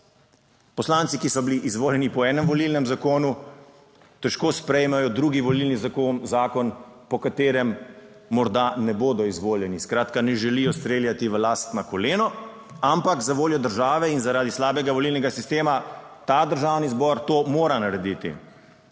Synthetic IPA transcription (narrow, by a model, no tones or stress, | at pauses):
pɔslaːnt̪sikisɔbiliʔizʋoːljɛnipɔɛːnɛmʋɔlilnɛmzakoːnu | t̪ɛʃkoːspɾɛjmɛjɔd̪ɾuːɡiʋɔlilnizakoːnzaːkɔnpɔkat̪eːɾɛmː | ɔɾd̪anɛboːd̪ɔizʋoːljɛniskɾaːt̪kanɛʒɛlijɔst̪ɾeːljat̪iʋəlaːst̪nakɔleːnɔ | ampakzaʋoːljɔd̪əɾʒaːʋɛinzaɾaːd̪islaːbɛɡaʋɔlilnɛɡasist̪eːma | t̪ad̪əɾʒaːwnizbɔɾt̪oːmoːɾanaɾɛd̪it̪ḭ